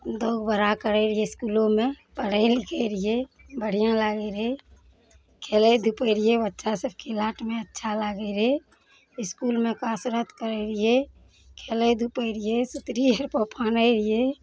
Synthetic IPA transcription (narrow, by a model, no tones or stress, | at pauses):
d̪oːɡbəɾakəɾeɾieɪskuːlõmẽpəɽ̤əɪlɪkʰeɾije | bəɽ̤ijãlaːɡeɾe | kʰeːled̪ʱupəɾiebətːʃʰasəb̚kelaːʈmẽətːʃʰalaːɡeɾe | ɪskuːlmẽkaːsɾət̪kəɾeɾije | kʰeːled̪ʱupeɾijesut̪ɾieɾpəpʰaːneɾie